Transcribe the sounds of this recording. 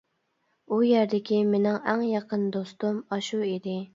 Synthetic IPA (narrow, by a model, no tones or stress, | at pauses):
ujæɾd̪ɪkʲʰimenɪŋæŋjɑqʰənd̪ost̪umɑʃuid̪ɪ